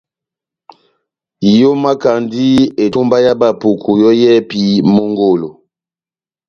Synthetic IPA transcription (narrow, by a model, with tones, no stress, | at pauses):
jo˦ma˦ka˨ndi˦e˨to˦mba˦ja˦ba˨pu˨kʰu˨jɔ˦jɛ˦pi˦mo˦ŋɡo˦˨lo˨